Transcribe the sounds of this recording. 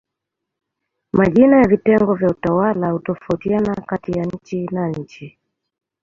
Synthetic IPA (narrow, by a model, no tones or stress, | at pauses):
maʄinajavitɛŋɡɔvjautawalahutɔfautianakatijaɲ̩t͡ʃinaɲ̩t͡ʃi